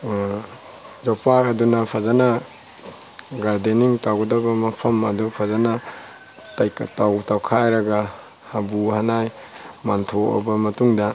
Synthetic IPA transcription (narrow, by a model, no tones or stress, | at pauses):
zɔpakadunapʰazana | ɡaɾdeniŋtawɡɐdabamɐpʰɐmɐdɔpʰazana | tajkʰtawtawkʰajɾaɡa | habuhanaj | mantʰoa̰bamɐtuŋda